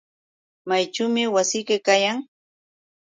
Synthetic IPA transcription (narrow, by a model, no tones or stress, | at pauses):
majt͡ʃʊːmɪwasɪjkɪkajaŋ